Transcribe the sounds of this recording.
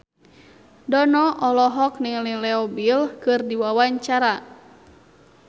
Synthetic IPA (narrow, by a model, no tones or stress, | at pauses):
dɔnɔʔɔlɔɦɔk̚niŋlilɛɔbilkɨrdiwawaɲt͡ʃaɾa